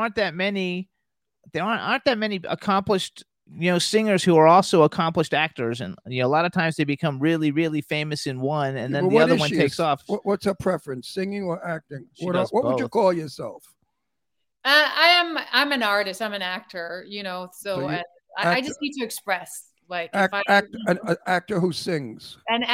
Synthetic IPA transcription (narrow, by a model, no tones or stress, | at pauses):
ɑɹnðɨt̚mɛni | ðə˞ɑ̃ɹnɑ̰̃ɹnðɨt̚mɛniə̰kʰɑ̃mplɨʃt | jɨnoʊsɪ̃ŋə˞z̥huə˞ɔlˠsoʊəkʰɑ̃mpləʃtæk̚tə˞zɨ̰̃njɨnoʊəlɑɾəv̥tʰãɪ̃mzðeɪbɨkʰʌ̃mɹɪlˠiɹɪlˠifẽɪ̃mɨsɨ̃nwʌ̃nɨ̃nðɨ̃nðiʌə˞wʌ̃ntʰeɪksɔfʌwʌtsəpʰɹ̥ɛfɹɨ̃nsɪ̃ŋɪ̃ŋə˞ʔæk̚tɪ̃ŋwʌɾwʌtəd͡ʒɨkʰɔlˠjə˞sɛ̰lˠf | ʌaɪɨ̃mã̰ɪ̃mɨ̃nɑɹɾɨstãɪ̃mɨ̃næk̚tʰə˞jɨñoʊsoʊ | aɪaɪd͡ʒʌstnid̚tɨɨkspɹɛs | laɪkæfæk̚tɨ̃nɨæk̚tə˞husɪ̃ŋz̥ɨ̃n